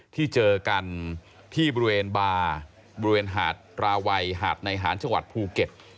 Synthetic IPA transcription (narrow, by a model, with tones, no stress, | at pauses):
t̪ʰiː˥˩t͡ɕɤː˧ka˧n | t̪ʰiː˥˩bɔː˧i˧weː˧nbaː˧ | bɔː˧ɾi˧weː˧nɦa̰ː˨˩t̪̚ɾaː˧wa˧jɦaː˨˩t̪̚na˧jɦaː˩˦nt͡ɕa˧ŋwa̰˨˩t̪̚pʰuː˧ke˨˩t̪̚